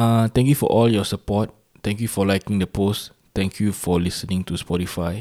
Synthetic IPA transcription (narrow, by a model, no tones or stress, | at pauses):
at̪ɛ̃ŋkjufɔ̰ʔɔljɔsəpɔt̚ | t̪ɛ̃ŋkjufɔlaɪkĩŋdəpos | t̪ɛ̃ŋkʰjufɔlisənĩŋtuspɔtifaɪ